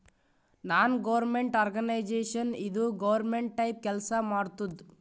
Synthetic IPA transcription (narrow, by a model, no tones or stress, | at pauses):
naːnɡɐʋɐɾmeɳʈaːɾɡɐnɐjd͡ʒeːʂɐnid̪uɡɐʋɐɾmeɳʈ̚ːɐjp̚kɛlsɐmaːɽt̪ud̪